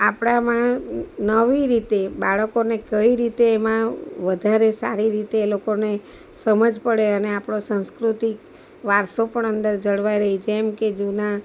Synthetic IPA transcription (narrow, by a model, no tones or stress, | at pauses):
apɽ̃amãnəʋiɾit̪ebaɭəkonekəiɾit̪eːmãʋəd̪ʱaɾesa̰ɾiɾit̪eːlokone | səməd͡ʒpəɽeəneapɳ̃osãw̃skɾut̪ik | ʋaɾsopəɳənd̪əɾd͡ʒəɭʋaiɾəɦit͡ʃʰemked͡ʒuna